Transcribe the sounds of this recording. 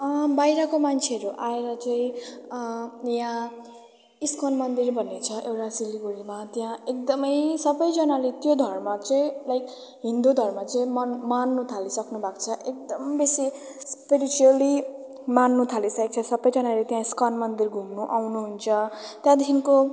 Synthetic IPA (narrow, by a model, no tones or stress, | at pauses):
ʌbajɾʌkomant͡sʰeʌɾuʔaeɾʌt͡saĩ | jã | iskʌnmʌnd̪irbʱʌnːet͡sʰʌʔewɾasiliɡuɾimat̪jãek̚d̪ʌmʌjsʌbʌjd͡zʌnalet̪jod̪ʱʌrmat͡sʌĩlajk | ɦind̪ud̪ʱʌrmat͡saĩmʌnmanːut̪ʰalisʌknubʱakt͡sʰʌʔek̚d̪ʌmbesi | spiɾit͡suali | manːut̪ʰalisʌk̚t͡sʰʌsʌbʌjd͡zʌnalet̪jãiskʌnmʌnd̪irɡʱumnuʔawnuɦunt͡sʰʌt̪jãd̪ʱinko